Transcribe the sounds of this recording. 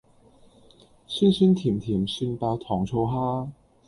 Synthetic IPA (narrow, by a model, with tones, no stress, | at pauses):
sy˥nsy˥nt̪ʰi˨˩˦mt̪ʰi˨˩˦mɕy˥npa˧˥t̪ʰɔ˨˧˥ŋʈ͡ʂʰo˧˥ʊɦa˥